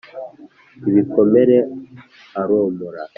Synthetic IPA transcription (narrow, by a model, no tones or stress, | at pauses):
βikomeɾe | aɾoːmuɾa